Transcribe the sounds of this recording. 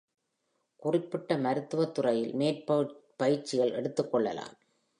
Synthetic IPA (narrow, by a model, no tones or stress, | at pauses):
kʊrɪpːɪʈːɐmɐɾɯt̪ːɯʋɐt̪ːɯrɐjɪlmeːrppɐjɪɾt͡ʃːɪɣɐɭʔɛ̰ɽɯt̪ːɯkːɔɭːɐ̰la̰ːm